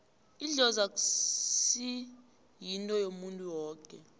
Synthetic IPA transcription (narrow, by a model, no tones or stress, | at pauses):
iɮɔzak̬ʼusi | jintʼɔjomuntʼuwɔːkʼɛ